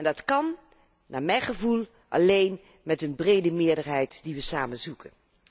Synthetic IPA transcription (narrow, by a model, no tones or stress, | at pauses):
ɛndɑtkɑn | naːmɛjχəvulˠ | ʔɑ̰lejn | mɛtənbrejdəmɪːɹdəɹɦɛjtdiʋəsaːmənzukən